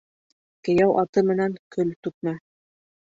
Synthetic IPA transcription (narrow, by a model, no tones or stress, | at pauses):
kɘ̆jæwʔɑt̪ɤmɘ̆næŋkɵlt̪ʉt̪̚mæ